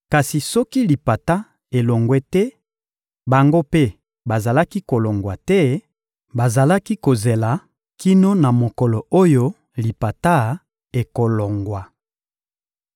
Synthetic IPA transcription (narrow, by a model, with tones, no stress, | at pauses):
ka˨si˨sɔ˦ki˦li˨pa˨ta˦ | e˨lo˨ŋɡwɛ˦tɛ˦ | ba˨ŋɡo˦pe˦ | ba˨za˨la˦ki˦ko˨lɔ˨ŋɡwa˨tɛ˦ | ba˨za˨la˦ki˦ko˨ze˨la˨ | ki˦no˦na˨mo˨kɔ˨lɔ˨o˦jo˦ | li˨pa˨ta˦ | e˨ko˨lɔ˨ŋɡwa˨